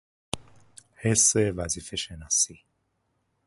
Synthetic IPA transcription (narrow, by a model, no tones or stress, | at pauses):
hɛsevazifɛʃɛnasi